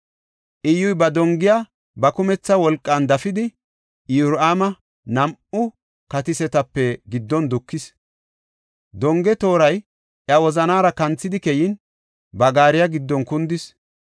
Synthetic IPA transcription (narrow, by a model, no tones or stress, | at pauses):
ʔɪjːʊjbɐd̪ɔŋɡɪja | bɐkʊmɛt͡sːɐwɔlkʼːand̪ɐfɪd̪ɪ | juɾʔaːmɐ | nɐmʊ | kɐt̪ɪsɛt̪ɐpːɛɡɪd̪ːɔnd̪ʊkːɪs | d̪ɔŋɡɛt̪o̞ːɾɐj | ʔɐwɔzɐnaːɾɐkɐnt͡sːɪd̪ɪkɛjɪn | bɐɡaːɾɪjaɡɪd̪ːɔnkʊnd̪ɪs